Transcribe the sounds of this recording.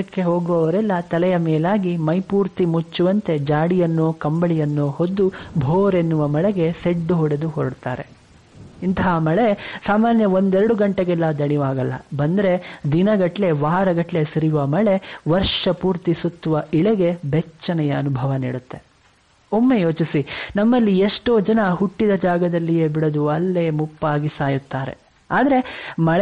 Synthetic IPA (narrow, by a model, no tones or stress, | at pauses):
ɐkːe̞ɦoːɡuʋɐʋɐɾɛlːɐt̪ɐlɛjɐmeːlaːɡimɐjpuːɾt̪imut͡ʃːuʋɐnt̪e̞d͡ʒaːɽijɐnːoːkɐmbɐɭijɐnːoːɦod̪ːubʱoːɾenːuʋɐmɐɭeɡe̞seɖːuɦoːɽed̪uɦoːɾɖt̪a̰ːɾḛ | int̪ɐɦamɐɭesaːmaːnjɐond̪eɾɐɽuɡɐɳʈeɡɛlːɐd̪ɐɳiʋaːɡɐlːɐ̰bɐnd̪ɐɾed̪inɐɡɐʈle̞ʋaːɾɐɡɐʈle̞sɐɾiʋɐmɐɭe̞ʋɐɾʂɐpuːɾt̪isut̪ːuʋɐʔiɭeɡe̞bɛt͡ʃːɐnɛjɐːnubʱɐʋɐnḭːɽut̪ːe̞ | omːejoːt͡ʃisinɐmːɐlːieʂʈo̞ːd͡ʒɐnɐɦuʈːid̪ɐd͡ʒaːɡɐd̪ɐlːijeːbiɽɐd̪uɐlːe̞ːmupːaːɡisaːjut̪ːaːɾe̞̰ | aːd̪ɐɾe̞mɐɭɛ